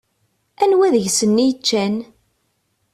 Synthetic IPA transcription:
ænwæðəʝsənːijət͡ʃːæn

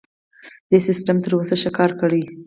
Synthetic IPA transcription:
d̪̥əsɪsʈamt̪əɾwosaʃakɑɾkəɽəj

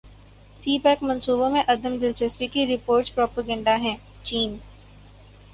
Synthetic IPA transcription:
siːpɛːkmɐ̃nsuːbõmẽʔɐd̪əmd̪ɪlt͡ʃəspikiɾɪpoːɾʈpɾɔːpəɡə̃ɳɖaɦɛ̃ː | t͡ʃiːn

